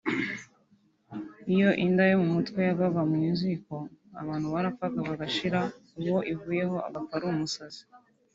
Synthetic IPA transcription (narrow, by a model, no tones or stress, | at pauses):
ijo̞ʔindajomumutwe̞jaβaβamuɲiːnziko̞a̰βaːnhuβaɾafakaβaɡaʃiɾa | uwo̞ʔivuːje̞ɦo̞a̰βafaɾuumusazi̥